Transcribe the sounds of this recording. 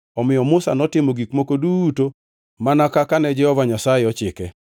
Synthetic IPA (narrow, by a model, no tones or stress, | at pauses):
ɔmɪjɔmʊsa̰nɔtɪmoɡikmokoduto | manakakanɛd͡ʒɛhɔvaɲasaɪɔt͡ʃɪkɛ